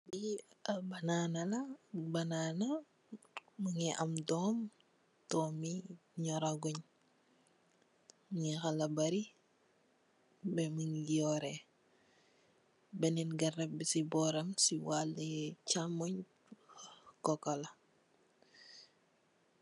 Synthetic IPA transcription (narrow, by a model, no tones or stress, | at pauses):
biɐbɐnaːnɐlɐbɐnanɐ | muŋɛʔɐmdɔːm | tɔːmiɲɔɾaɡuɲ | ŋɛxɐlɐbɐɾi | bɛməŋjɔːɾɛ | bɛnɛnɡɐrɛbisibɔːɾɐmsiwalːɛt͡ʃamɔɲ | kɔkɐlɐ